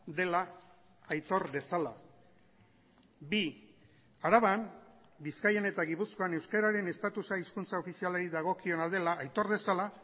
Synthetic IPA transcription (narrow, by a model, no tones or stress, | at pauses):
d̪e̞laː | jt̪o̞ɾβe̞sala̰ | bi | aɾaβam | biskajene̞t̪aɣipusko̞ane̞wskaɾaɾe̞ne̞st̪at̪usaiskunt͡sao̞fisialaɾiðaɣ̞o̞kio̞nald̪e̞laːjt̪o̞ɾðe̞sala